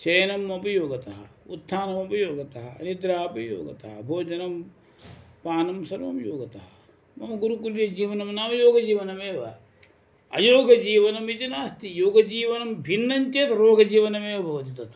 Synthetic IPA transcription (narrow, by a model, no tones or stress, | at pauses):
t͡ʃɐjɐnɐmːɐpɐjoːɡɐt̪ɐɦɐut̪ʰːaːnɐmɐpɐjoːɡɐt̪ɐɦɐɐ̰nid̪ɾaːɐpɐjo̰ːɡɐt̪ɐɦɐ̰bʱoːd͡ʒɐnɐm | paːnɐmsɐɾʋɐ̰mjoːɡɐt̪ɐɦɐ | mɐmɐɡuɾukuljɐd͡ʒiːʋɐnɐmnaːmɐjoːɡɐd͡ʒiːʋɐnɐmeːʋɐ̰ | ɐ̰joːɡʱɐd͡ʒiːʋɐnɐmit̪inaːst̪ijoːɡɐd͡ʒiːʋɐnɐmbʱinːɐɲt͡ʃeːt̪ɾoːɡɐd͡ʒiːʋɐnɐmeːʋɐbʱɐʋɐt̪it̪ɐt̪ʰ